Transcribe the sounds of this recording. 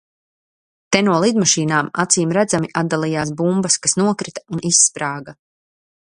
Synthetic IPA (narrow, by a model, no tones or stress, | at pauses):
t̪ɛnuɔlˠid̪maʃiːnaːma̰t̪siːmɾæd̪zamiʔad̪d̪alˠijaːsbumbɐskasnuɔkɾit̪ḁunisːpɾaːɡa